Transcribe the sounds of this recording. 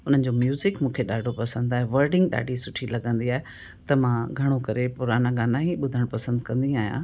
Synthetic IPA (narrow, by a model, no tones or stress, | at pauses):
ʊn̤ənɪ̆d͡ʑomjuːzɪkmũːkʰeɗaːɖʱopɐsə̃nd̪aːɦeʋɐɾɖɪ̃ŋɡɗa̰ːɖʱisʊʈʰilɐɠə̃nd̪iaːɦe | t̪ɐmãɡʱɐɽ̃okɐɾepʊɾaːnãɡãːnaɦĩɓʊd̪ʱəɽ̃pɐsə̃nd̪kɐ̃nd̪ĩaːɦijã̰ː